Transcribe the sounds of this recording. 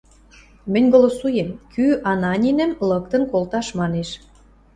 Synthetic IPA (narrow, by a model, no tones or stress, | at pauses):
mə̆nʲɡolosujemkyʔɑnɑnʲinə̆mlə̆k̚t̪ə̆nkolt̪ɑʃmɑneʃ